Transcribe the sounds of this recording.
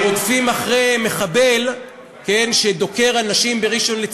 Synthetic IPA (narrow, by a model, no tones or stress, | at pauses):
otfimaχʁeme̞χabe̞l | ke̞nʃed̪o̞ke̞ʁanaʃimbe̞ʁiʃo̞nlet͡s